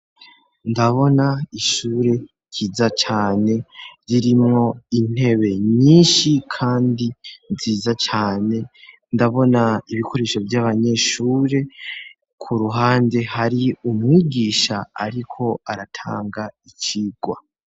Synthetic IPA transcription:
ndaβo̞naiʃuːɾe̞ | cʰiːzat͡ʃaːne̞ɾiɾimŋo̞in̥he̞βe̞ɲiːnʃikʰaːndinziːzat͡ʃaːne̞ | ndaβo̞naiβikʰo̞ɾe̞ːʃo̞vjaβaɲe̞ʃuːɾe̞ | kʰuɾuɦaːnde̞haɾiumŋiːɡiʃaːɾikʰo̞aɾatʰa̰ːŋɡait͡ʃiːɡ̥wa̰

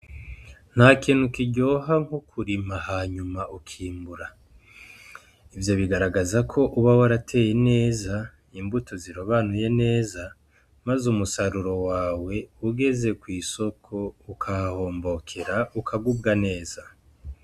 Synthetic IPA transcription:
n̥haːkin̥hukiɟo̞ɦaŋokʰuɾimahaːɲumaʔukʰiːmbuɾa | ivjo̞βiɡaɾaɡazakʰo̞ʔuβawaɾatʰe̞ːje̞ne̞ːza | iːmbutʰo̞ziɾoβanuje̞ne̞ːza | mazumusaɾuɾo̞waːwe̞uɡe̞ze̞kwiːso̞kʰo̞ukʰaho̞ːmbo̞kʰe̞ɾaukʰaɡubɡane̞ːz̥a

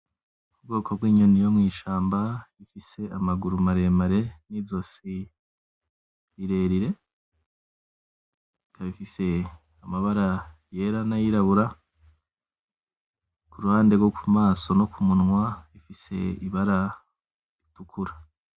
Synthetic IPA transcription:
ubɡo̞ːkʰo̞bwiːɲonijo̞mŋiːʃaːmbaifise̞amaɡuɾumaɾe̞maɾe̞nizosi | iɾe̞ɾiɾe̞ | kaβifise̞ | amaβaɾajeɾanajiɾaβuɾa | kuɾuhaːndeɡwo̞kumaːso̞no̞kumunŋwaifise̞̰iβaɾa | ɾitukʰuɾa

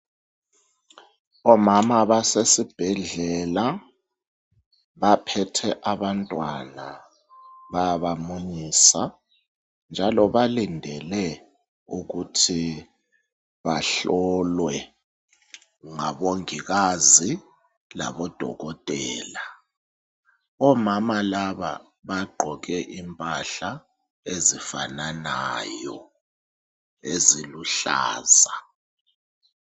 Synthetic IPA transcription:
ɔmamaβasesib̥ʱɛɮɛla | βapʰɛtʰɛʔaβantʼwana | βajaβamuɲiːsa | nd͡ʒʱalɔβalindʱɛlɛ | uɣutʰi | βaɬɔlwɛ | ŋaɓoŋik̬azi | la̰ɓɔd̥ʱɔ̰k̬ɔtʼɛːla | ɔmamalaɓa̰ | ɓaɡ͡ǃʱɔk̬ɛʔimpʼaɬa | ezifananajɔ | eziluɬa̰ːza

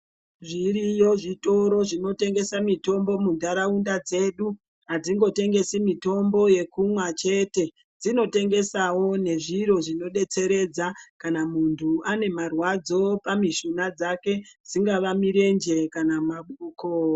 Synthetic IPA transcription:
ʐirijo̞ʐito̞ɾo̞ʐino̞te̞ŋɡe̞samito̞mbo̞mundaɾaundad͡ze̞ːɗu | ɦad͡ziŋɡo̞te̞ŋɡe̞simito̞mbo̞je̞kumwat͡ʃe̞te̞ | d͡zino̞te̞ŋɡe̞sawo̞ne̞ʐiɾo̞ʐino̞ɗe̞t͡se̞ɾe̞d͡zakanamuntʰuane̞marwad͡zo̞pamiʃunad͡zake̞d͡ziŋɡaʋamiɾe̞nd͡ʒe̞kanamaɓuːko

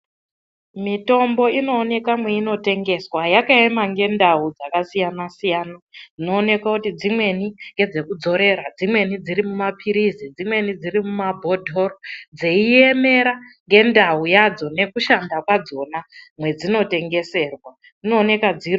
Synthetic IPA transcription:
mito̞mbo̞ino̞ːne̞kamwe̞ino̞te̞ŋɡe̞swajakae̞maŋɡe̞ndaud͡zakasijanasijaːnad͡zino̞ːne̞kwakutid͡zimwe̞niŋɡe̞d͡ze̞kud͡zo̞ɾe̞ɾad͡zimwe̞nid͡zirimumapʰiɾizid͡zimwe̞nid͡zirimumabʱo̞dʱo̞ɾod͡ze̞ie̞me̞ɾaŋɡe̞ndaujad͡zo̞ne̞kuʃandakwad͡zo̞namwe̞d͡zino̞te̞ŋɡe̞se̞rwa | inoːne̞kad͡zio

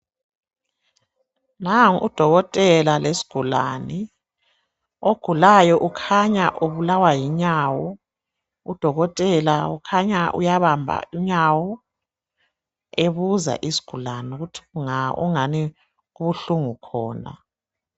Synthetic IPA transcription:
naŋṵd̥ʱɔɣɔtʼɛlalesi̥ɡ̥ʱula̰ni | oɡ̥ʱulajɔʔukʰaɲaʔuβulawajiɲaːwɔ | ud̥ʱɔɣɔtʼɛlaukʰaɲaʔṵjaβambʱa̰iɲawɔ | eβuza̰ʔisi̥ɡ̥ʱulanuɣutʰi̥ŋaṵŋani | uβuɬuŋukʰɔ̰ːna̰

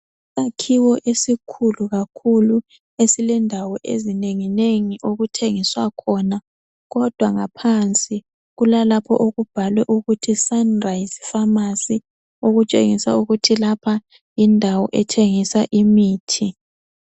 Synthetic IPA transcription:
sakʰiwɔʔesikʰuluɣakʰulu | esilɛndʱawɔʔḛzineŋineŋiʔoɣutʰeŋiswakʰɔna | ɣɔd̥ʱwaŋapʰant͡sʼi | ɣulalapʰɔ̰ʔoɣub̥ʱalwɛʔuɣutʰisanrajisi̥famasi | oɣut͡ʃʼḛŋisa̰uɣutʰilapʰa | jindʱawɔʔɛtʰeŋisaʔimiːtʰi

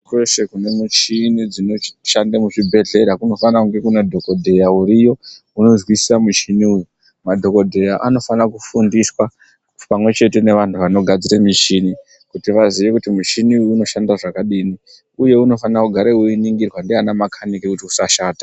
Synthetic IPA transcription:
kweʃekune̞mut͡ʃinid͡zino̞ʃandamuʐibʱe̞ɮe̞ɾakuno̞fanakuŋɡe̞kunadʱo̞ko̞dʱe̞jauɾijo̞ | uno̞zwisi̥samut͡ʃiniuju | madʱo̞ko̞dʱe̞jaʔano̞fanakufundiswa | pamwe̞t͡ʃe̞te̞ne̞ʋantʰuʋano̞ɡʱad͡ziɾemit͡ʃini | kutiʋaziʋe̞kutimut͡ʃiniujuno̞ʃandaʐakaɗini | uje̞uno̞fanakuɡʱaɾeuiniŋɡirwandianamakʰanikekutiusaʃaːtḁ

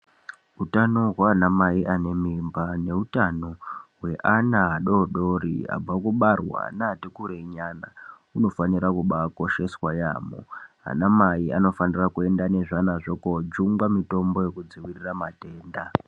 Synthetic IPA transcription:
utano̞ɦwaːnamaiʔane̞mimbane̞utano̞ɦwe̞ʔanaaɗo̞ɗo̞ɾḭa̰b͡vakuɓarwa̰natekuɾeɲana | uno̞faniɾakuɓako̞ʃe̞swajaːmo̰ɦa̰namaia̰no̞fanirakue̞ndane̞ʐanaʐo̞kod͡ʒuŋɡwamito̞mbo̞je̞kud͡ziwiriramate̞ːnda

